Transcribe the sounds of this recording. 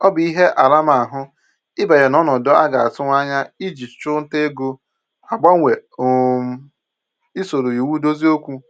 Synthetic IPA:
ɔ˦bi˦ɦe˦ʔa˨la˦ma˨a˨ɦʊ˦ | ɪ˦ba˨ɾe˨nɔ˦nɔ˨dɔ˦a˦ɡa˨a˨sʊ˦ŋʷ˦a˦ɲa˦i˦d͡ʒi˨t͡ʃʊ̥˦t͡ʃʊ˦n̩˦te˦ɡo˦ | a˨ɡ͡ba˦ŋ˦we˨˦ | i˦so˨ɾo˨ji˨wu˦do˦zi˦o˦kʷu˦

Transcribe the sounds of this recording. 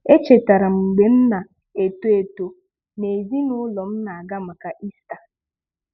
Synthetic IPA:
e˦t͡ʃe˨ta˨ɾa˨ŋ͡m̩˨ɡ͡be˨n̩˦na˨ | e˨to˦e˨to˨ | ne˨zi˦nʊ˦lɔ˨m̩˦na˨a˨ɡa˦ma˨ka˨ʔi˦sta˨

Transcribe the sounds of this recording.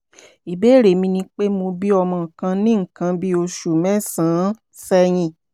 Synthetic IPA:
i˨be˦˨ɾe˨mĩ˧nĩ˧k͡pe˦mo˧bi˦ɔ˧mɔ̃˨kã˧nĩ˦ŋ̩˨kã˧bi˦o˧ʃu˨mɛ̃˦sãː˨˦ | sɛ˦j̃ĩ˧˨

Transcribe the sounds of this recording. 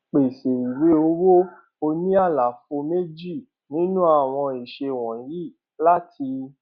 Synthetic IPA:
k͡pe˨ʃe˨i˨we˨˦o˧˦wo˦ | o˧nĩ˦a˦˨la˨fo˧me˦d͡ʒi˦˨ | nĩ˨˦nũ˦a˦˨w̃ɔ̃˧i˨ʃe˧˨wɔ̃˨˦ji˦˨ | la˦ti˧

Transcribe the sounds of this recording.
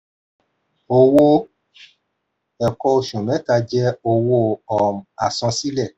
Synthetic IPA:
o˨wo˧ | ɛ˨kɔ˧o˨ʃõ˨mɛ̃˨˦ka˧d͡ʒɛ˦o˧wo˧ɔ˨a˨sɔ̃˧si˦lɛ˦˨

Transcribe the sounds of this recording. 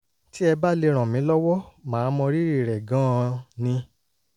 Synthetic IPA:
ti˦ɛ˧ba˦le˧ɾ̃ã˨mĩ˨˦lɔ˦wɔ˦mãː˨˦mɔ̃˧ɾi˦ɾi˦˨ɾɛ˨ɡã˨˦˧nĩ˧

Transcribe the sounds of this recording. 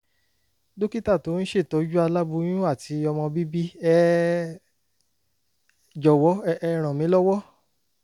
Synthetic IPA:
do˦ki˦ta˦˨to˨˦n̩˦ʃe˦˨tɔ˨˦d͡ʒu˦a˧la˦bu˧˦j̃ũ˦a˦˨tʰi˧ɔ˧mɔ̃˧bi˦bi˦ɛ˦ | d͡ʒɔ˨wɔ˨˦ɛ˧ɾ̃ã˨mĩ˨˦lɔ˦wɔ˦

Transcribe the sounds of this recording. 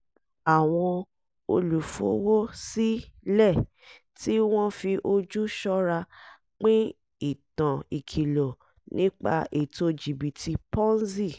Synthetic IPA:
a˨w̃ɔ̃˧ | o˧lu˨fo̰˨˦wo˦si˦lɛ˦˨ | ti˦w̃ɔ̃˦fi˧ʔo˧d͡ʒu˦ʃɔ˦ɾa˧ | k͡pĩ˦ | i˦˨tã˨i˨kʰi˨lo˨ | nʔĩ˦k͡pa̰˧ʔe˨to˧d͡ʒi˨bi˨tʰi˧pɔ̃˦n˦zi˦˨

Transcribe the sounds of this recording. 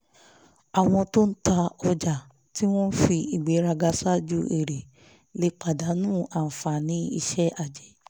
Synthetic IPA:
a˨w̃ɔ̃˧to˦n̩˦ta˧ɔ˧d͡ʒa˨ | ti˦w̃ɔ̃˦n̩˦fi˧i˨ɡ͡be˨˦ɾa˧ɡa˧sa˦d͡ʒu˦ʔe˦˨ɾe˨ | le˨˦k͡pa˨da˨˦nũː˦˨a˨n̩˨fa˨nĩ˧˦ḭ˧ʃɛ˦a˦˨d͡ʒɛ˨˦

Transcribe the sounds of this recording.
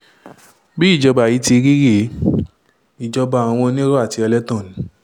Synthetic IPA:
bi˦i˦˨d͡ʒɔ˧ba˨ji˨˦ti˧ɾi˦ɾi˦˨˦ | i˨d͡ʒɔ˧ba˨a˨w̃ɔ̃˧nĩ˦ɾɔ˦a˦˨ti˧ɔ˧lɛ˦tɔ̃˦˨nĩ˨˦

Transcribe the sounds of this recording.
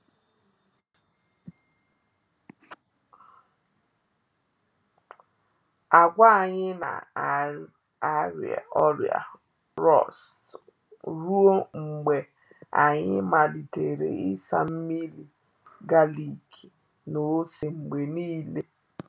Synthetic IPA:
a˨ɡʷa˦a˨ɲɪ˦na̰˨ | a˦ɾ̰a̰˨ɔ˦ɾj̰a̰˨ | ɾɔ˦˨st | ɾu˦o˦ŋ͡m̩˨ɡ͡be˨ | a˨ɲɪ˦ma˨li˨te˨ɾḛ˨ɪ˦sa̰˦˨m̩˦mi˦li˨ | ɡa˦li˨kʰi˨ | no˨˦si˨ŋ͡m̩˨ɡ͡be˨niː˦le˦

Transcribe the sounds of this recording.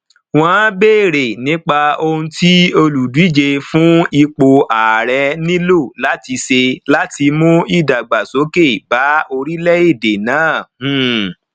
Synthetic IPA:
w̃ɔ̃˦beː˦˨ɾe˨nĩ˨˦k͡pa˧o˧hũ˧ti˦o˧lu˨du˨˦i˦˨d͡ʒe˧fũ˦i˧k͡po˧a˨ɾɛ˧nĩ˦lo˦˨la˨˦ti˧se˧la˦ti˧mũ˦i˦˨da˨ɡ͡ba˨so˨˦ke˦˨ba˨˦o˧ɾi˦lɛ˦i˦˨de˨nãː˨˦˨h̩˦˨

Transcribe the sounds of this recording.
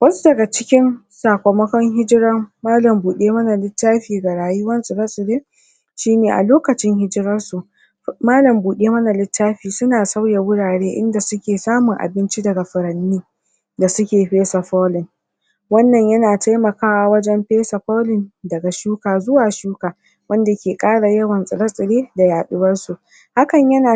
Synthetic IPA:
wɐ˦su̥˦dɐ˨ɡa˨t͡ʃɪ˦kʲɪ˦n | saː˨kʷo˨mɐ˦kɔ˦ŋɦɪ˦d͡ʒɪ˦ɾɐ˦maː˦lɐ˨mbuː˨ɗeː˦mɐ˦na˨lɪ˦tːaː˦ɸiː˨ɡa˨ɽaː˨jʊ˦wɐ˦nsʼu˨bɐ˦sʼɪ˨deː˦ | ʃiː˦neː˨ʔa̰˨loː˦kɐ˨t͡ʃɪ˦ŋhɪ˦d͡ʒɪ˦ɾɐ˦rsu˨ʔ | maː˦lɐ˨mbuː˨ɗeː˦mɐ˦na˨lɪ˦tːaː˦ɸiː˨sʊ˦naː˨sa˦wja˨wʊ˦ɽaː˨ɽeː˦ʔɪ̰˦nda˨sʊ˦kʲeː˨saː˦mʊ˨ŋʔa̰˨bɪ˦nt͡ʃi˦dɐ˨ɡa˨ɸɪ˨ɾɐ˨nːiː˦ | da˨sʊ˦kʲeː˨ɸeː˦sa˨ɸɔː˦lɪ˨n | wɐ˦nːɐ˨ɲjɐ˦naː˨ta˦jmɐ˨kaː˦waː˦wɐ˦d͡ʒɛ˦mɸeː˦sa˨ɸɔ˦lɪ˨ndɐ˨ɡa˨ʃuː˦kaː˨zʊ˦waː˨ʃuː˦kaː˨ | wɐ˦nda˨kʲeː˨kʼaː˦ɽa˨jɐ˦wɐ˨nsʼɪ˨ɾɐ˦sʼɪ˨ɽeː˦da˨jaː˨ɗʊ˦wɐ˦rsu˨ | ha˦kɐ˨ɲjɐ˦naː˨

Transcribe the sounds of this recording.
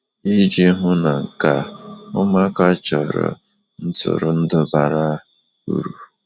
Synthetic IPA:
i˦d͡ʒi˦ɦʊ˦na˨ŋ̩˨ka˦ʊ˦ma˦ka˦t͡ʃɔ˨ɾɔ̰˨ | n̩˦tʊ̰˨ɾʊ˨n̩˦dʊ˦ba˨ɾa˦ | ṵ˦ɾu˨

